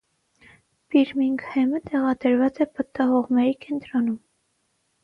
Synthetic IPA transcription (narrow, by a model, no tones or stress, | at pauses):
piɾmiŋkʰhɛmət̪ɛʁɑd̪əɾvɑt͡sɛpət̪ːɑɦɔʁmɛɾikɛnt̪ɾɔnum